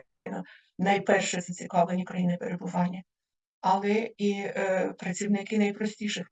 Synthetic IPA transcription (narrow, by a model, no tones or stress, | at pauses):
jnɐ | nɐjpɛrʃɛzɐt͡sʲikɑwlenʲikɾɐjinɪpeɾebʊʋɑnʲːɐ | ɐlˠɛipɾɐt͡sʲiwnɪkɪnɐjpɾɔsʲtʲiʃɪx